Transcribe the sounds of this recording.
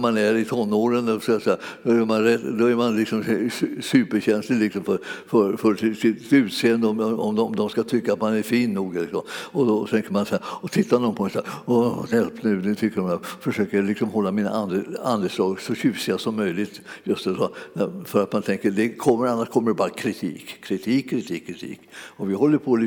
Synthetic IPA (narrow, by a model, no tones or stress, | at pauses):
manæɾɪt̪ʰɔnːoːɾənd̪ɔskajasɛjad̪ɔæmanɾɛt̪d̪ɔæɾmanlɪksɔmsʉːpəɾɕɛnslɪlɪksɔmfœɾfœɾfœɾɪsɪt̪ʉ̟ːt̪seːənd̪əɔmɔɔmd̪ɔmd̪ɔmskat̪ʰʏkːat̪manæɾfiːnːuːɡlɪksɔmɔd̪ɔt̪ʰɛŋkəɾmansɛæːɾɔt̪ʰɪt̪ːanɔnpʰɔmɛ̃saːɔjɛlpnʉ̟ːnʉt̪ʰʏkːəɾmafəʂøːkəjalɪksɔmhɔlːamiːna̰ʔand̪and̪əslɑːɡsɔɕʉːsɪasɔmːœjlɪt̪jɵst̪ɛsɔnæfœɾat̪mant̪ʰɛŋkəd̪ɛkʰɔmːəɾanːaʂkʰɔmːəɖɛbɑːɾakʰɾɪt̪ʰiːkʰːɾɪt̪ʰiːkʰːɾɪt̪ʰiːkʰːɾɪt̪ʰḭːkɔvɪhɔlːəɾpʰɔl